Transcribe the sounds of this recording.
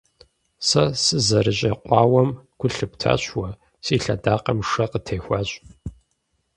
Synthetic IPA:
sɐsɨzɐɾɨɕʼɐqʷɑːwɐmkʷʰʊɬɨptʰa̰ːɕwɐ | siːɬɐ̰daːqɐmʂɐqətʰeːxʷaːɕʼ

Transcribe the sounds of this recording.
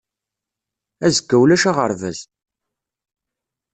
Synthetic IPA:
æzəɡːæwlæʃaʁəɾvæz

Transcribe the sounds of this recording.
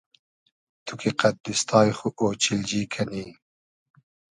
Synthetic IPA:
t̪ʰukʰiqat̪̚d̪ist̪ʰɑːjxuʔoːt͡ʃild͡ʒiːkʰaniː

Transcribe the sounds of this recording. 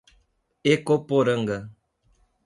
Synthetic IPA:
ekopoɾəŋ̩ɡə

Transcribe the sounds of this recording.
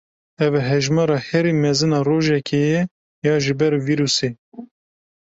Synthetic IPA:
ɛvɛɦɛʒmɑːɾɑːhɛɾimɛzɨnɑːɾoːʒɛkʰejɛ | jɑːʒɨbɛɾviɾuːseː

